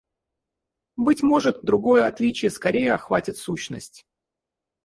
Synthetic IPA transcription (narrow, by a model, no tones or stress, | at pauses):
bɨtʲmo̞ʐɨt̪d̪ɾʊɡo̞jəɐt̪lʲit͡ɕɪjəskɐɾʲejəɐxvatʲɪt̪suɕnə̰sʲtʲ